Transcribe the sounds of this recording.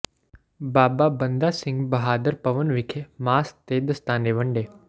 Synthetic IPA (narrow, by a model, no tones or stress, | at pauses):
baːbaːbənd̪aːsɪ̃ŋɡbɐɦaːd̪əɾpɐʋənʋɪkʰemaːst̪eːd̪st̪aːneʋəɳɖeː